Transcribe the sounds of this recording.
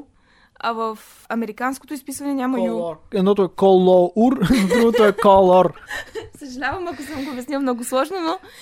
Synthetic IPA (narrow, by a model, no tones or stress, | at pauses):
ɐvəf | ɐmɛɾikansko̥t̪ʊispisvɐnɛnʲamɐjuɛd̪nɔt̪oɛkɔlˠɔuɾd̪ɾuvot̪oɛkɔlˠɔɾsəʒɐlʲavɐmɐkosəmɡoʊbʲɛsnilˠmnɔɡʊslˠɔʒnono